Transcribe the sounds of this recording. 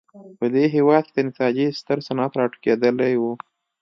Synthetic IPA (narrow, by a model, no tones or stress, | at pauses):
pəd̪eɦewɑd̪̚kʲed̪ənɪt̪ɑd͡ʒest̪əɾsanɑt̪ɾɑʈə̥ked̪əlajwu